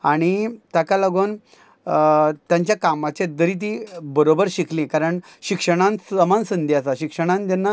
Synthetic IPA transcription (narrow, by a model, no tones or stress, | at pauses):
aɽ̃it̪akaləɡoːn | t̪jãɲt͡ɕjakamat͡ɕed̪əɾit̪̬ibəɾobəɾɕiklẽkaɾəɳ | ɕikʂəɽ̃ãnsəmansənd̪ʱjasaɕikʂəɽ̃ãnd͡ʑ̪anːa